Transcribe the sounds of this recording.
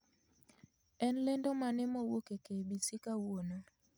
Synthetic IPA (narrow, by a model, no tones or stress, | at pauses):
ɛnlɛndɔmanɛmɔwokekebitikawona